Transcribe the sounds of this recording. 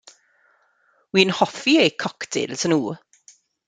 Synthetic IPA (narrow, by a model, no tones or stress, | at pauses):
wiːnhɔfiejkʰɔkdʰɪ̰lsʰənuː